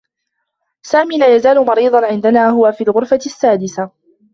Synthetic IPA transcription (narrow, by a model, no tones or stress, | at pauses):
saːmiːlaːjazaːlʊmɑɾiːðˤɑnʕɪnd̪anaːɦʊwafiːlɣʊɾfasːaːd̪ɪsa